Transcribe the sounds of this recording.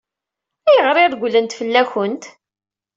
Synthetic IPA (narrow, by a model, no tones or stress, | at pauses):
æjəʁɾˤɪɾɡʷlənt̪fəlːæçənt̪